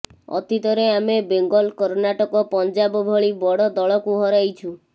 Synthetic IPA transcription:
ɔ̰t̪it̪ɔɾeamebeŋɡɔlkɔɾnaʈɔkɔpɔnd͡ʒabɔbʱɔɭibɔɽɔd̪ɔɭɔkuɦɔɾajt͡ʃʰu

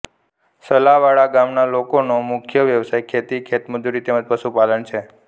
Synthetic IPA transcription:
səlaʋaɭaɡamnalokonomʊkʰjəʋjəʋsajkʰet̪ikʰet̪mʊd̪uɾit̪emə̃d͡ʒpəʃupalənt͡ʃʰe

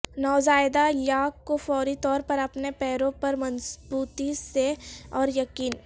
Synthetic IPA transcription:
nɔːzaːɪd̪ajaːkːofɔːɾit̪ɔːɾpɐɾɐpnepɛːɾõpɐɾmɐ̃nsbuːt̪iseɔːɾjɐkiːn

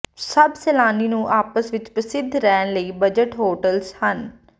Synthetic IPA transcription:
səbsɛːlaːniːnũʔaːpəsʋɪt͡ʃpəsɪd̪ʱɾɛːnləiːbəd͡ʒəʈɦoːʈəlshən

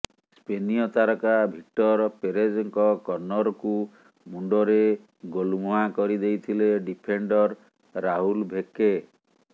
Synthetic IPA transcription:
speniɔt̪aɾɔkabʱik̚ʈɔɾpeɾed͡ʒɔŋkɔkɔɾnɔɾɔku | muɳɖɔɾe | ɡolumɔɦakɔɾid̪ejt̪ʰileɖipʰeɳɖɔɾː | aɦulbʱeke

